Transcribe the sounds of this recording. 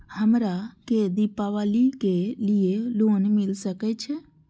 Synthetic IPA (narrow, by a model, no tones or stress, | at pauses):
həmɾaked̪ipaʋalikelielonmɪlsəkɛt͡ʃʰɛ